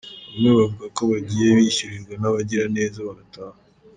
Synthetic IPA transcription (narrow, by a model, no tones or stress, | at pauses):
amŋeβavuɡako̞βaɟiːje̞βiçuɾiɾɡwanaβaɟiɾane̞ːzaβaɡataːha